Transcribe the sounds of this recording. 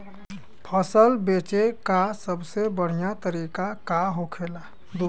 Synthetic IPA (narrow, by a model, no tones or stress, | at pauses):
pʰəsəlbet͡ʃekasəbsebəɽ̤ijat̪əɾikakaɦokʰela | d̪u